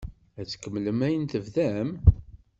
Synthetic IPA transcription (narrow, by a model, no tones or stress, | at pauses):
æt͡sːə̥kːəmːləmæjənt̪əvðæm